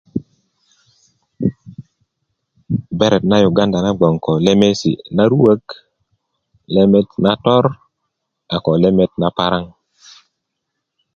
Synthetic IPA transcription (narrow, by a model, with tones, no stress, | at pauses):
be˦ɾe˨tna˦ju˨ɡa˦nda˨na˦ɡ͡bo˨ŋko˨le˦me˦sḭ˨na˦ɾu˦wə˦k | le˦me˦tna˦to˦ɾ | a˨ko˨le˦me˦t̚na˦pa˦ɾa˦ŋ